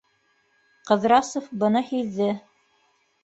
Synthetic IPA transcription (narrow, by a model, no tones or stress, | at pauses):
qɤ̆ðɾɑsofbɤ̆nɤhiðːɘ